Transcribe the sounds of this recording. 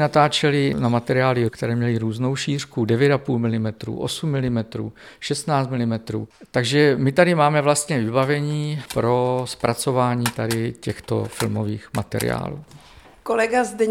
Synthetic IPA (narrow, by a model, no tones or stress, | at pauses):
nat̪aːt͡ʃɛlɪnamat̪ɛɾɪaːlɪkt̪ɛɾɛːmɲɛlɪɾuːzno̞wʃiːr̝kudɛvjɛt̪apuːlmɪlɪmɛt̪ɾṵːʔosumːɪlɪmɛt̪ɾṵːʃɛst̪naːt͡st̪mɪlɪmɛt̪ɾṵːt̪aɡʒɛmɪt̪adɪmaːmɛvlast̪ɲɛvɪbavɛɲiːpɾo̞spɾʔat͡so̞vaːɲiːt̪adɪcɛxt̪o̰fɪ̰lmo̞̰viːxma̰t̪ɛ̰ɾɪ̰a̰ːlṵː | kolɛɡazdɛ